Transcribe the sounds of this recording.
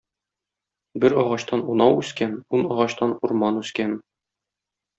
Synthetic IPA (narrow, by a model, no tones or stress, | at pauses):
bɘɾɒʁɑɕt̪ɑnunɑwʉskænunɒʁɑɕt̪ɑnuɾmɑnʉskæn